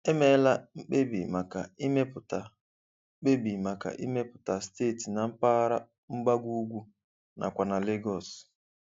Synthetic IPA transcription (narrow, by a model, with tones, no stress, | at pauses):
e˦me˦la˦ŋ͡m̩˦k͡pe˦bḭ˨ma˨ka˨i˦me˦pʊ˨ta˨˦ | k͡pe˦bi˨ma˨ka̰˨ʔi˦me˦pʊ̥˨ta˨steː˦˨ti˨na˨m̩˦pa˦ɾa˦ | ŋ͡m̩˦ɡ͡ba˦ɡʷu˦ɡʷu˦ | na̰˨kʷa˨na˨le˦ɡɔ˨s